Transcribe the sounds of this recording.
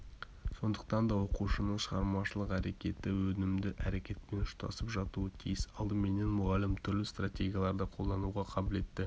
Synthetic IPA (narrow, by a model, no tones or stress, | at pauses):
so̞nd̪əq̚t̪ɑnd̪ɑwo̞quʃənəɴʃəʁɑɾmɑʃəlˠəqæɾe̞kʲe̞t̪ɪwɵnɪmd̪ɪʔæɾe̞kʲe̞t̪̚pe̞nʊʃt̪ɑ̰səpʒɑt̪uət̪ʰijɪsɑlˠd̪əmene̞nmʊʁɑlɪmt̪ʰʏɾlɪst̪ratʲe̞ɡʲijalˠɑɾd̪ɑqʰo̞lˠd̪ɑnuʁɑqʰɑbʊle̞t̪ːɪ